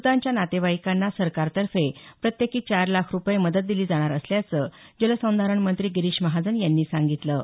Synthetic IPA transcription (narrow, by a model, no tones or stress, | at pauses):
put̪aɲt͡ɕjanat̪eʋaikanːasəɾkaɾt̪əɾfepɾət̪jekiːt͡ɕaɾlakʰɾupjeməd̪ət̪̚d̪iliːd͡zaɽ̃aɾəsljat͡səd͡ʑəlasə̃w̃d̪ʱaɾəɳmənt̪ɾiːɡiɾiːɕməɦad͡zənjanːiːsaŋɡit̪lə